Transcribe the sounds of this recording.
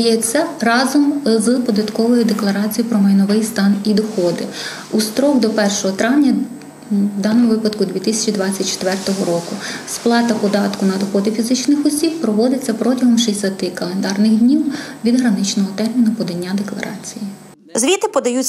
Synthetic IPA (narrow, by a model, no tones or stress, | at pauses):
jɛt͡sʲːɐrɑzɔmzpɔd̪ɐt̪kɔʋɔjʊd̪eklˠɐɾɑt͡sʲijʊpɾɔmɐjnɔʋɪjst̪ɑnid̪ɔxɔd̪ɪ̰ | ust̪ɾɔɡd̪ɔpɛrʃɔɦɔt̪ɾɑwnʲɐ | d̪ɑnɔmʊʋɪpɐd̪kʊd̪ʋʲit̪ɪsʲɐ̥t͡ʃid̪ʋɑt͡sʲːɐt̚ʲt͡ʃːe̥t̪ʋɛrt̪ɔɦɔɾɔkʊsplˠɑt̪ɐpɔd̪ɑt̪kʊnɐd̪ɔxɔd̪ɪfʲizɪt͡ʃnɪxɔsʲibpɾɔʋɔd̪ɪt͡sʲːɐpɾɔtʲɐɦɔmʃisʲɐt̪ɪkɐlˠend̪ɑrnɪxdʲnʲiwʋʲid̪ɦɾɐnɪt͡ʃnɔɦɔt̪ɛrmʲinʊpɔd̪ɐnʲːad̪eklˠɐ̰ɾʔɑ̰t͡sʲijɪ | zʋʲit̪ɪpɔd̪ɐjut͡sʲ